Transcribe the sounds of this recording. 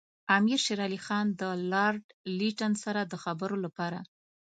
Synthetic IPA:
amiɾʃeɾɑlixɑnd̪əlɑɾɖliʈansaɾad̪əxabəɾolapɑɾa̰

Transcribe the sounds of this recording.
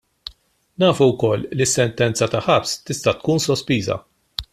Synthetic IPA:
nɐːfuwkɔlːlːisːɛnt̪ɛnt͡sɐt̪ɐħɐpst̪ɪst̪ɐt̪kuːnsɔspiːzɐ̰

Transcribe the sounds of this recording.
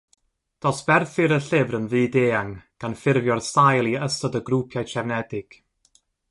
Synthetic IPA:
d̥ɔsb̥ɛrθɨɾəɬɪvrənðɨːdeːaŋɡ̥anfɪrvjɔrstajlˠiəstɔdəɡrupʰjat͡ʃʰɛvnɛdɪɡ̥

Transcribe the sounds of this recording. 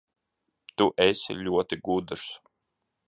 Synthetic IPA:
t̪uʔɛsʲḭlʲuɔt̪iɡud̪ɨɾs

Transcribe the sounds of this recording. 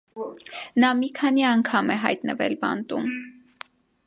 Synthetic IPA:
nɑmikʰɑniɑŋkʰɑmɛɦɑ̰jt̪nəvɛ̰lbɑ̰nt̪um

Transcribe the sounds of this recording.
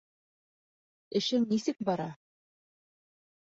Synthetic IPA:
ɘ̆ʃɘŋnisɘk̚bɑɾɑ

